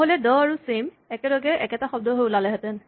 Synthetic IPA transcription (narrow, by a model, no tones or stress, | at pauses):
ɦolɛdɔaɹusem | ɛkɛlɔɡɛʔɛkɛtaxɔb̚dʱɔɦojʊlalɛɦɛtɛn